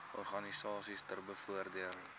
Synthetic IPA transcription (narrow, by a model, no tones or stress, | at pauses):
ɔrχɐnisɑːsistərbəfuərdiəl